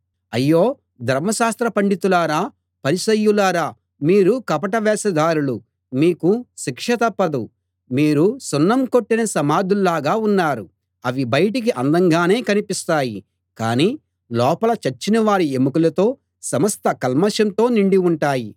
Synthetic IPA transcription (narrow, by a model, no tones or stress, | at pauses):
ɐjːoː | d̪ʱɐɾmɐʃaːst̪ɾɐpɐɳɖit̪ulaːɾaː | pɐɾisɐjːulaːɾaː | miːɾukɐpɐʈɐʋɛːsɐd̪aːɾulu | miːkuʃikʂɐt̪ɐpːɐd̪u | miːɾusunːɐmko̞ʈːinɐsɐmaːd̪ʱullaːɡaːunːaːɾu | ɐʋibɐjɐʈik̬iʔɐnd̪ɐŋɡaːne̞ːkɐnipist̪aːji | kaːniː | lɔːpɐlɐt͡ʃɐt͡ʃːinɐʋaːɾiemukulɐt̪o̞ː | sɐmɐst̪ɐkɐlmɐʃjɐnt̪o̞ːniɳɖiuɳʈaːji